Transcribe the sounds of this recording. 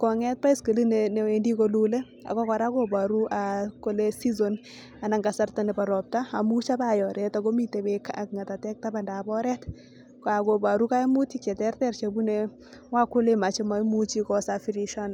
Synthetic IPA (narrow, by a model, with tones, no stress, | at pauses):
kɔ˨ŋɛ˦t̚pa˦i˦ske˨li˦nenɛ˨wendikolule˦ | a̰˨kɔ˦kɔ˨ɾa˦koba˨ɾu˦ʔako˦lesi˦zon | a˨na˨ŋɡa˨sa˦rtanɛ˨pa˨ɾɔ˨p̚taː˨mu˦t͡ʃa˦bajɔ˨ɾɛtaɡɔ˦mi˦te˨bɛka̰˨kŋa˨ta˨tɛk̚taba˨nda˨bɔ˦ɾɛt | ka˨ko˨ba˨ɾuka˦mu˦ti˦kɛ˨tɛ˦rtɛrt͡ʃabu˦ne | wa˦ku˦lema˨t͡ʃɛma˦mu˦t͡ʃikɔsafiɾiʃɔ˦n